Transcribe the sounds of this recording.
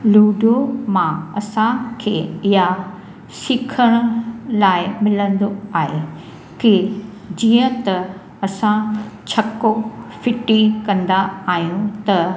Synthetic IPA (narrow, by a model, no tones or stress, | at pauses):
luːɖomãɐsãkʰeːɪɦa | sɪkʰəɽ̃ʊlaːɪmɪlə̃nd̪oaːɦe | kɪ | d͡ʑiːə̃t̪ɐ | ɐsãt͡ɕʰɐkofɪʈikɐ̃nd̪aaːɦijũt̪ɐ